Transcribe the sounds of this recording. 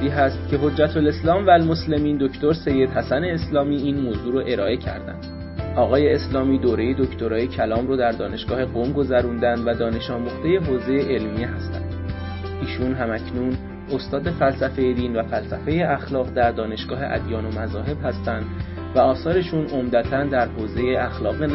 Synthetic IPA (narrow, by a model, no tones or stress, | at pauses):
iːɦæst̪cʰe̞ɦo̞d͡ʒːæt̪ʰole̞slɒːmvælmosle̞miːnd̪o̞cʰt̪o̞ɾse̞jːe̞d̪hæsæne̞ːslɒːmiːiːnmoːzuːɾoʔe̞ɾɒːʔe̞cʰæ̰ɾd̪æ̰nd̪̥ | ɒːɣɒːje̞ːslɒːmiːd̪oːɾe̞je̞d̪o̞cʰt̪o̞ɾɒːjecʰælɒːmɾoːd̪æɾd̪ɒːne̞ʃɡ̥ɒːhe̞ɡomɡo̞zæɾund̪ænd̪væd̪ɒːne̞ʃɒːmuχd̪̥e̞je̞ɦoːze̞jeʔelmijeɦæst̪æ̰nd̪̥ | iːʃunɦæmæcʰnuːn | o̞st̪ɒːd̪e̞fælsæfe̞jed̪iːnvæfælsæfe̞je̞ʔæxlɒːɣd̪æɾd̪ɒːne̞ʃɡ̥ɒːɦe̞ʔæ̰d̪jɒːno̞mæzɒːɦe̞b̥hæst̪ænd̪ | væɒːsɒːɾe̞ʃunʔo̞md̪æt̪ʰænd̪æɾhoːze̞jeæxlɒːɣen